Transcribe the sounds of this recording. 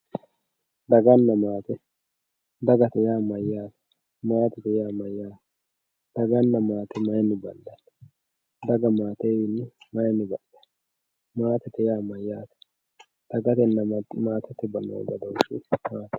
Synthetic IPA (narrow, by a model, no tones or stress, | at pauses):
d̪ɐɡɐnːɐmaːt̪ɛ | d̪ɐɡɐt̪ɛjaːmɐjːaːt̪ɛ̥ | maːt̪ɛt̪ɛjaːmɐjːaːt̪ | d̪̥ɐɡɐnːɐmaːt̪ɛmɐjnɪbɐlːɐ | d̪ɐɡɐmaːt̪ejɪnːɪmɐjnɪbɐʔɐ̥ | maːt̪ɛt̪ːɛjaːmɐjːaːt̪ɛ̥ | d̪̥ɐɡɐt̪ɛnːɐmaːt̪ɛt̪ːɛbɐlːɐ̰wɔ̰ɡɐd̪ɐwʊʃɪ̰maːt̪ɛ̥